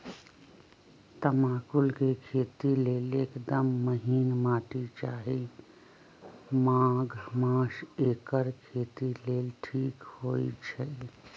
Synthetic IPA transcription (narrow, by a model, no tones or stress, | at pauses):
t̪əmaːkʊlkekʰeːt̪ileːleːkd̪əmːəɦiːnmaːʈit͡ʃaːɦi | maːɡʱmãːʃeːkəɾkʰeːt̪ileːlʈʰiːkhoːit͡ʃʰə